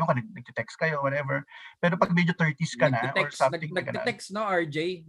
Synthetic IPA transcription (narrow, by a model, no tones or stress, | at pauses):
oŋkɐnɐɡ̚nɐɡ̚t̪ɪt̪ɛkskɐjowɔt̪ɛvɛɹpɛːɾopɐɡmɛd͡ʒot̪ɛɹt̪iskɐnɐʔoɹssɐ̃mɡ̪ɪ̃ŋɐkɐ̰ɛksnoaɹd͡ʒej